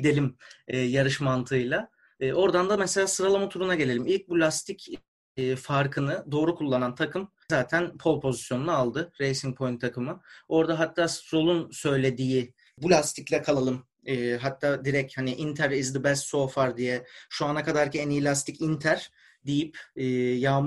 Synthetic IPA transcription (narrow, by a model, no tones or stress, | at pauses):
d̪e̞lʲimɛːjaɾɯʃmant̪ʰɯjlˠaː | ʔo̞ɾd̪and̪amɛse̞lʲaːsɯɾalˠamut̪ʰuɾunaɟe̞lʲe̞lʲimilʲc̚bulʲast̪ʰicː | faɾkʰɯnɯd̪o̞ːɾukʰulˠːanant̪ʰakɯm | zaːt̪ʰænpʰo̞lˠpʰo̞zisjo̞nunaːlˠd̪ɯɾejsiŋ̚pʰo̞jint̪ʰakʰɯmɯo̞ɾd̪aɦat̪ʰːaːsɾo̞lˠunsø̞jlʲe̞d̪iji | bulʲast̪ʰiclʲɛkʰalˠalˠɯmː | ɦat̪ʰːaːd̪iɾɛchaniʔint̪ʰæɾizd̪ibɛst̪so̞ːfaɾd̪ijɛʃuanakʰad̪aɾcʰienijilʲast̪ʰicint̪ʰæɾ̥ | d̪ijipːjaːm